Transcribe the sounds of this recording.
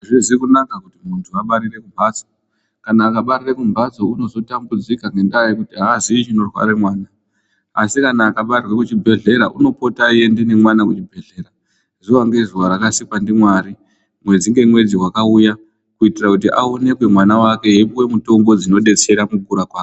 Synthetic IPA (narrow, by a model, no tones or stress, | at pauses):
ʐizikunakakutimuntʰuaɓaɾire̞kumbʱat͡so̥ | kanaːkaɓarirekumbat͡so̞uno̞zo̞tambud͡zikaŋɡe̞ndajekutiɦaːziːt͡ʃino̞rwa̰ɾemwaːna | a̰sikanaːkaɓarirwekut͡ʃibʱe̞ɮe̞ɾaʔuno̞po̞tajendinemwanakut͡ʃibʱe̞ɮe̞ɾa | ʐuwaŋɡe̞zuwaɾakasikwandimwaɾi | mwe̞d͡ziŋɡe̞mwe̞d͡ziɦwakauja | kuitirakut̬iʔaone̞kwemwanawake̞jepuwe̞muto̞mɡo̞d͡zino̞ɗe̞t͡se̞ɾamuɡuɾakwaːko